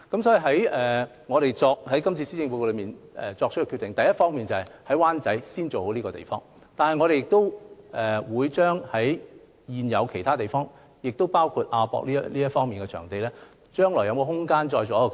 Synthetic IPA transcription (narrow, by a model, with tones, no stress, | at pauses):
kɐ˨˥msɔ˨˥i˨˩ɦɐ˨˥jɛː˨˩ | ŋɔː˨˧ɾe˨jt͡sɔː˧k̚hɐ˨˥jkɐ˥mt͡sʰiː˧si˥t͡sɪ˧ŋpu˧ko˧lɵ˨˧miː˨nɛ̰˨t͡sɔː˧k̚ʰɵ˥kːɛ˧kʰy˧t̪ɪ˨ŋt̪ɐ˨jɐ˥t̚fɔː˥ŋmiː˨nt͡sɐ˨˩hɐ˨˩jhɐ˨˥jwaː˥nt͡sɐ˨˥jsiː˥nt͡so˨who˨˥wliː˥kɔː˧t̪ḛ˨˩jfɔː˥ŋ | t̪aː˨nhɐ˨jŋɔː˨˧ɾe˨jɪ˨k̚t̪o˥wʔɛ˨wuː˨˧jt͡ʃœː˥ŋhɐ˨˥j | jiː˨˧njɐ˨˧wkʰe˨˩jt̪ʰaː˥t̪e˨jfɔː˥ŋ | jɪ˨k̚t̪o˥wpaː˥wkʰu˧t̚ʔaː˧pɔ̰˧k̚liː˥liː˥jɐ˥tfɔː˥ŋmiː˨nkɛ˧t͡ʃʰœ̰ː˨˩ŋt̪e˨jlɛː˥ | t͡ʃœː˥ŋlɔː˨˩jɐ˧wkɔː˧ɦʊ˥ŋkaː˥nt͡sɔː˧jt͡sɔː˨˥˧